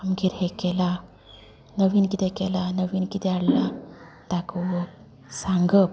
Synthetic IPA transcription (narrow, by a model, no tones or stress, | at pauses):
amɡiɾhekela | nəwinkid̪ekelanəwinkid̪eaɽla | d̪̥akʰɯwə | saŋɡəp̚